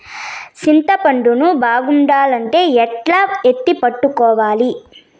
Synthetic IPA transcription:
t͡ʃint̪ɐpɐɳɖunubaːɡuɳɖaːlɐɳʈe̞ːɛʈlaːet̪ːipɐʈːukɔːʋaːli

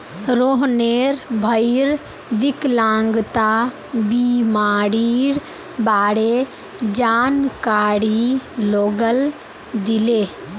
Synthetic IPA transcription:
ɾoːɦneːɾbʱəɪɾ | ʋɪklãːŋɡt̪a | bimaːɽiːɽ | baːɽe | d͡ʒaːnkaːɽiloːɡəl | d̪ɪleː

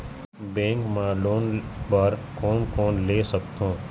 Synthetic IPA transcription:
bẽːŋkmãloːnbɐɾkɔːnkɔːnleːsəkt̪õː

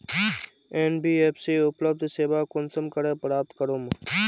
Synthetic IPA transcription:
eːnbiːeːpseːʊpləb̚d̪ʱseːbaːkʊnsəmkəɾepɾaːp̚t̪kəɾoːm

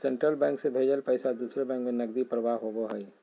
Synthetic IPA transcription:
sẽɳʈɾəlbɛ̃ːŋksebʱeːd͡ʒəlpɛɪsad̪uːsɾebɛ̃ːŋkmenɐɡ̚d̪ipɾəʋaɦoɡoɦɛi

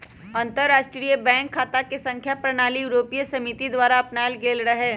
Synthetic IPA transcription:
ɐ̃nt̪əɾːaːʃʈɾijəbɛ̃ːŋkʰːaːt̪akesɐ̃ŋkʰjapɾɐñaːlijuɾoːpijəsɐmit̪id̪ʋaːɾaɐpnaːlɡeːlɾɐɦeː

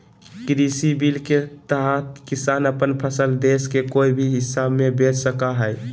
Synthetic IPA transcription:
kɾisibilket̪əɦat̪kisanəpənpʰəsəld̪eskekoibʱiɦisabmebet͡ʃsəkaɦəj

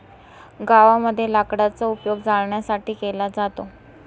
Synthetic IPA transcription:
ɡaʋaməd̪ʱːjelakɽat͡səupjoɡd͡zaɭɳjasaʈiːkelad͡zat̪o

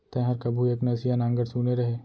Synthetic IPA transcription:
t̪ɐ̃ɦəɾkɐbʱueknɐsijanãːŋɡəɽsuːneɾɐɦeː

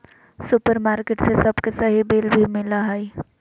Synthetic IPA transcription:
sʊpəɾmaːɾkeʈsesɐbkesɐɦibeːlbʱimɪlaɦɛi

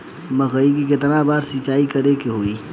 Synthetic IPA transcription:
məɣəikikɪt̪nabaːɾsit͡ʃaːikəɾekeɦoi

